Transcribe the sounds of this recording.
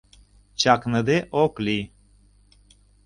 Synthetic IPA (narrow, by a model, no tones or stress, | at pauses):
t͡ʃaknəd̪eʔokli